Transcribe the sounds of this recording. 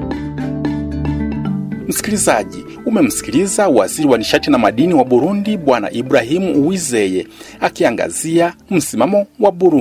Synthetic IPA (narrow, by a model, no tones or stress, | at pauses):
m̩si̥kilizaʄi | umɛm̩si̥kiɾizauwaziɾiwaniʃatinamaɗiniwaɓuɾundiɓwana̰ʔiɓuɾaɦimuʔuwizɛjɛakiaŋɡa̰ziam̩simamɔwaɓuɾu